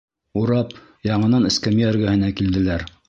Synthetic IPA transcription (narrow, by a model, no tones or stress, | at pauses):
uɾɑp | jɑɴɤ̆nɑnɘ̆skæmioɾɡæhɘ̆nækild̪ɘ̆læɾ